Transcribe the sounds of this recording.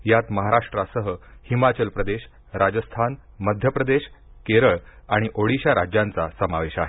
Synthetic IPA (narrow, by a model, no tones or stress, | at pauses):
jat̪məɦaɾaʂʈɾasəɦəhimat͡ɕəlpɾəd̪eɕ | ɾad͡ʑəst̪ʰan | məd̪ʱjəpɾəd̪eɕ | keɾəɭaɽ̃iʔoɽiɕaɾad͡ʑjãnt͡sasəmaʋeɕaɦe